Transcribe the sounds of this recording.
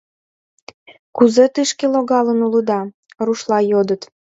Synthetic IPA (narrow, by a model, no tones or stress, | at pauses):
kuzet̪ɨʃkeloɣɑlənuləd̪ɑ | ruʃlɑjod̪ət̪